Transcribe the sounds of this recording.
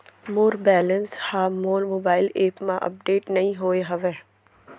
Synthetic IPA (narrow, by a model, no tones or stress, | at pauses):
moːɾbɛːlənshaːmoːlmoːbaːɪleːpmãʔɐ̰p̚ɖeːʈnɐɦĩɦoːeɦɐʋeː